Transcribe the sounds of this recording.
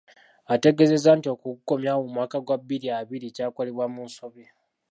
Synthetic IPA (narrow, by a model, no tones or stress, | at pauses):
ate̞ɡe̞ze̞zaːntio̞kukuko̞mjawomwaːkaɡwabːiɾiaβiɾicaːko̞leβwamunso̞βe